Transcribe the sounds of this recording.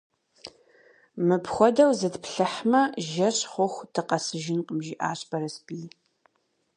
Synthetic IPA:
mɨpʰxʷɔdɐwzɨtpɬɐħmɐʒɐɕχʷʊxʷtʰɨqɐsɨʒɪnqəmʒiːʔa̰ːɕbɐɾɐspiː

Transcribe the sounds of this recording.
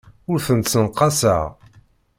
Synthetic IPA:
ʊɾθənt̪sənqːɑsəʁ

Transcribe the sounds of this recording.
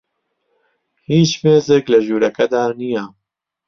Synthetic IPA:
hiːt͡ʃmeːzɪklɐʒuːɾɛkɛd̪aːnijaː

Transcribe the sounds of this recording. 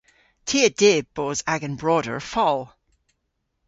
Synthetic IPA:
tʰiːədeːb̥oːzaɡə̃nbɹɔdə̰˞ɹfɔlˠ

